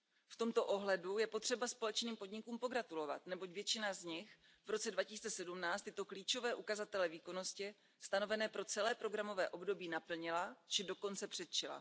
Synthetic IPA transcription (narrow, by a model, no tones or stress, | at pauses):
ft̪o̞mt̪oʔo̞ɦlɛdujɛpo̞t̪r̥ɛbaspo̞lɛt͡ʃniːmpo̞dɲɪkuːmpo̞ɡɾat̪ulo̞va̰t̪nɛbo̞cvjɛt͡ʃɪnazɲɪx | vɾo̞t͡sɛdvacɪsiːt͡sɛsɛdumnaːt͡st̪ɪt̪o̞kliːt͡ʃo̞vɛːʔukazat̪ɛlɛviːko̞no̞scɪ | st̪ano̞vɛnɛːpɾo̞t͡sɛlɛːpɾo̞ɡɾamo̞vɛːʔo̞bdo̞biːnapl̩ɲɪlat͡ʃɪdo̞ko̞nt͡sɛpr̥ɛt̪̚t͡ʃɪla̰